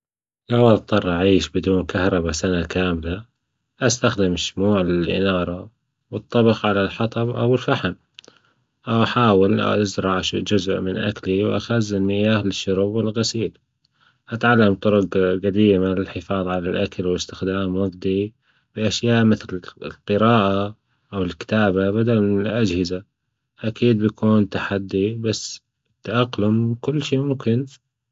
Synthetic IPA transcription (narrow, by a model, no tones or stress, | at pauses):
lawat̪ˤːɑrˤʔaʕiːʃbɪd̪uːnkahɾˤɑbasanakaːmla | ʔast̪axd̪ɪmaʃmuːʕlɪlʔɪ̰nɑːɾˤɑ | wɨt̪ˤːɑbɪqʕalalħɑt̪ˤɑbʔa̰wɪlfaħɪm | ʔawʔaħaːwɪl̰ʔazɾˤɑʕʃd͡ʒʊzʔmɪnʔakliwʔa̰xazɪnːɪjaːhlɪʃːʊɾuːbɪlɣasiːl | ʔat̪ʕalːamt̪ˤʊɾʊqɣad̪iːmalɪlħɪfɑːðˤʕalalʔakalwɪst̪ɪxd̪aːmwaɡd̪i | b̥ɪʔaʃjaːʔmɪθlɪlqɨɾɑːʔa | ʔawɪlkɪ̥t̪aːbabad̪almɪnɪlʔad͡ʒhɪza | ʔakiːd̪̚bjakʰuːnt̪aħad̪ːibasː | t̪ːaʔaqlʊmkʊlːʃiːmʊmkɪn